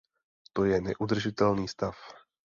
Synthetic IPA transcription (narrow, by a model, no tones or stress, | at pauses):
t̪ojɛnɛ̰ʔud̪r̩ʒɪt̪ɛlniːst̪af